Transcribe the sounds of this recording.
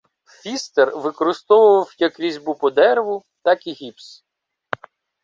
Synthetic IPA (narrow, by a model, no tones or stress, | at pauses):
fʲist̪erʋɪkɔɾɪst̪ɔʋʊʋɐwjɐkɾʲizʲbupɔd̪ɛɾʋʊ | t̪ɑkiɦʲips